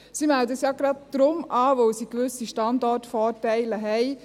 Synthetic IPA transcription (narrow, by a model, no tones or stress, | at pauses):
simɛldəsjɑɡɾɑd̚d̥ɾʊmʔaːʋoʊsikʋʏsiʃtɑndɔrtfɔːɾtɛɪləɦɛɪ